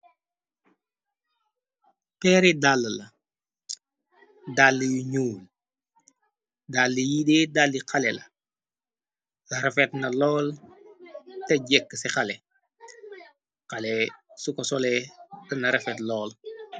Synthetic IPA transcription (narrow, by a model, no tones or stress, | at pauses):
pɛːɾidalːəlɐ | dalːijuɲuːl | dalːijidɛːdalːiqʰɐlɛlɐ | ɐɾɛfɛtnɐlɔːl | tɛɟɛkːəsɛxɐlɛ | qɐlɛsukɔsɔlɛtɐnɐɾɛfɛtlɔːl